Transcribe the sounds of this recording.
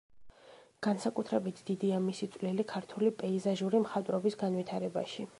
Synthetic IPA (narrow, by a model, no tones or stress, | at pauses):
ɡ̥ansakʼut̪ʰɾɛbit̪ʰd̪̥id̪iamisit̪sʼwlilikʰaɾt̪ʰulipʼɛizaʒuɾimχat̪ʼɾɔbisɡanvit̪ʰaɾɛba̰ʃi